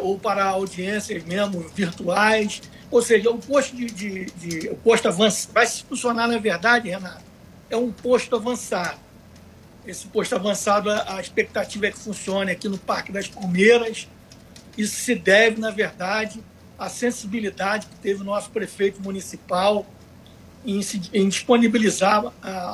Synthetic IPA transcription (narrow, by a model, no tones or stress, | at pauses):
owpaɾɐawd͡ʒiẽsiɐzmeʒmʊzviɾt̪uajs | owseʒɐʊpoʃt̪ʊd͡ʒɪd͡ʒɪd͡ʒɪʊpoʃt̪ʊavɐ̃svajsɪ̥fũsionanɐveɾd̪ad͡ʒɪhenat̪ʊ | ɛũpoʃt̪ʊavɐ̃sad̪ʊ | esɪ̥poʃt̪ʊavɐ̃sad̪ʊɐʔɐiʃpek̚t̪at͡ʃivɐɛkɪ̥fũsiõnɐakinʊpaɾkɪd̪ɐʃkomeɾɐs | isʊ̥sɪd̪ɛvɪnɐveɾd̪ad͡ʒɪ | ɐsẽsibilid̪ad͡ʒɪkɪ̥t̪evɪʊnɔsʊ̥pɾefejt̪ʊmunisipaw | ẽsɪẽd͡ʒiʃponibilizaɾa